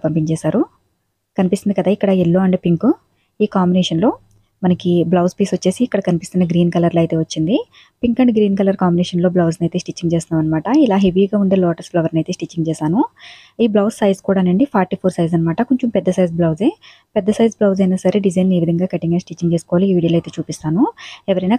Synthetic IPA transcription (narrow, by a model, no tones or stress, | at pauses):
pɐmpiŋt͡ʃɛːsaːɾu | kɐnipist̪ːind̪ikɐd̪aːikːɐɽɐelːo̞ːɐɳɖeːpiŋku | iːkaːmbinɛːʂɐnlo̞ː | mɐnɐkiblɐwspiːsʋɐt͡ʃːe̞ːsiːkːɐɽɐkɐnipist̪unːɐɡɾiːnkɐlɐɾlɐjt̪e̞ːʋɐt͡ʃːind̪i | piŋkɐɳɖɡɾiːnkɐlɐɾkaːmbinɛːʂɐnlo̞ːblɐwsnɐjt̪e̞ːsʈit͡ʃːiŋɡt͡ʃeːsnaːmʋɐnːɐmaːʈɐilaːɦe̞ʋiːɡaːund̪eːlɔːʈɐɾsblɐʋɐɾnɐjt̪e̞ːsʈit͡ʃːiŋɡt͡ʃɛːsaːnu | iːblɐwsːɐjzkuːɽaːneɳɖipʰaːɾʈipʰoːɾsɐjzɐnːɐmaːʈɐkoɲt͡ʃompɛd̪ːɐsɐjzblɐwze | pɛd̪ːɐsɐjzblɐwzɐjnaːsɐɾe̞ɖid͡ʒɐjne̞ːʋid̪ʱɐŋɡaːkeʈːiŋɡɐnsʈit͡ʃːiŋɡt͡ʃeːsu̥kɔːʋaːliʋiːɽilɐjt̪e̞ːt͡ʃuːpist̪aːnuɛʋɐɾɐjnaː